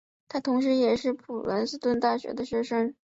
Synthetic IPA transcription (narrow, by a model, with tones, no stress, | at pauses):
t̪ʰa˥t̪ʰʊ˧˥ŋʂ̬ɻ̩˧˥jɛ˨˩ʂɻ̩˥˩pʰu˨˩lə̰˧˥ns̩˥t̪wə˥˧nt̪a˥˩ɕɥɛ̰˧˥d̪ə˧ɕɥɛ˥ʂə˥ŋ